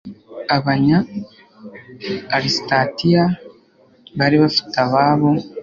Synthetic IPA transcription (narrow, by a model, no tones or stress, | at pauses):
aβaɲa | ɾistatija | βaɾiβafi̥taβaːβo